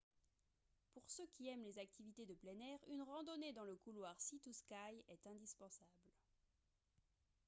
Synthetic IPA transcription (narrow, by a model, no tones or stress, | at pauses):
puʁsøkʲiɛmlezak̚t̪ivit̪ed̪əplɛnɛʁynʁɑ̃d̪ɔned̪ɑ̃ləkulwaʁsit̪uskajɛt̪ɛ̃d̪ispɑ̃sabl